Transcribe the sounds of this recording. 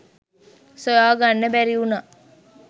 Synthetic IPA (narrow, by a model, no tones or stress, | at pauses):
sojaːɡanːəbæɾiuna